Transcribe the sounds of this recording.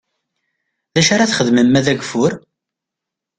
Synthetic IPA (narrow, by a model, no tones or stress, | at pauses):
ðæʃaɾaθχəðməmːæðæɡfʊɾ